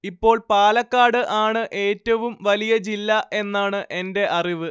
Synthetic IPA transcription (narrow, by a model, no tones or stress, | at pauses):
ipːo̞ːɭpaːlɐkːaːɽɨʔaːɳɨʔe̞ːtːɐʋumʋɐlijɐd͡ʑilːɐʔe̞nːaːɳɨʔe̞nde̞ʔɐriʋɨ